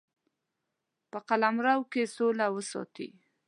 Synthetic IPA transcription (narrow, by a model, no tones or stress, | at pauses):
pəqalamɾawkesolawəsɔ̰t̪ḭ